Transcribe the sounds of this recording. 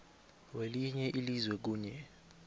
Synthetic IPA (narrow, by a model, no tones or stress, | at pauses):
weliɲɛʔilizwɛk̬uːɲɛ